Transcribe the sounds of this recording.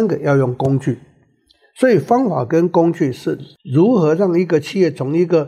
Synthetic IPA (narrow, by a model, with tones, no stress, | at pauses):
nɡə˨jɑ˥˧ʊjʊ˥˩ŋkʊ˥ŋt͡ɕy˥˩ | swɔ˧˥i˨˩fɑ˥ŋfa̰˨˩kə˦nkʊ˥ŋt͡ɕy˥˨ʂɻ̩˥˩ɻu˨˦˥xɤ˧˥ɻɑ˥˩ŋi˧˥ɡə˨t͡ɕʰi˥˧jɛ˥˩t͡sʰʊ˧˥ŋi˧˥ɡə˨